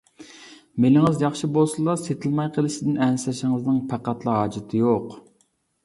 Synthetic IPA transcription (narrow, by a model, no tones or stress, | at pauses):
melɪŋɨzjɑχʃibolˠsɨlˠɑset̪ʰɪlmɑjqʰəlˠɪʃɪd̪ɪnɛnsɛʃɪŋɨznɨŋpʰæqæt̪lˠɨɦɑːd͡ʒɪt̪ʰɨjoq